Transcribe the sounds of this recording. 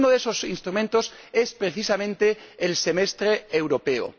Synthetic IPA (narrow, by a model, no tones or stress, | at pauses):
noðeso̞sinst̪ɾumẽnt̪ose̞spɾeθisamẽnt̪eːlse̞mest̪ɾeːwɾo̞pe̞o̰